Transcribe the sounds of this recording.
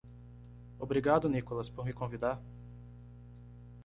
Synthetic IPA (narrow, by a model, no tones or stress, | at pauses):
obɾiɡad̪ʊnikolɐspoɾmɪkõvid̪aɾ